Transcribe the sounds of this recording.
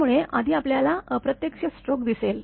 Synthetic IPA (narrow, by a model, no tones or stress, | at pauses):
muɭeʔa̰d̪ʱiːapljalaəpɾət̪jəkɕəsʈɾokd̪isel